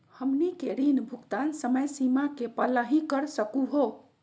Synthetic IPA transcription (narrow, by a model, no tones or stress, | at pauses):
həmnikeɾinbʱuɡt̪ansəməjsimakepələɦĩkəɾsəkuɦo